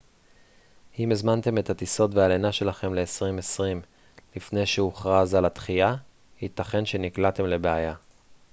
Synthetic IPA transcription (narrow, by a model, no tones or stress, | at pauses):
imezmante̞me̞that̪iso̞tvealenaʃe̞laχe̞mle̞ːsʁimesʁim | lifne̞jʃeuχʁazalat̪χija | hit̪aχe̞nʃe̞niklat̪e̞mle̞beaja